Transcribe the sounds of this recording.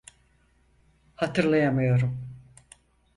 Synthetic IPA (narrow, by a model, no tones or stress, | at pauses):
hat̪ʰɯɾlˠajamɯjo̞ɾum